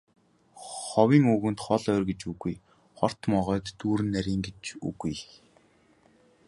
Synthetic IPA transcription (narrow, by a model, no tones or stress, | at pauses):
χɔwiːŋuːɣɘ̆nt̪χɔɮœːrɡet͡ɕuɣuj | χɔr̥t̪mɔʁœːt̪ːuːɾɘ̆nːæɾʲiːŋɡet͡ɕṵɣuj